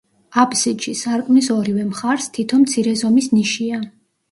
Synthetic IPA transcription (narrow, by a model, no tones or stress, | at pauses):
apʰʼsiʃisaɾkʼmnisɔɾivɛmχaɾst̪ʰit̪ʰɔmt̪sʰiɾɛzɔmisniʃia